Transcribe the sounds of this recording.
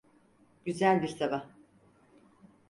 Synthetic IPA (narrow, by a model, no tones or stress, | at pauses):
ɟ̥yzælʲbiɾsaba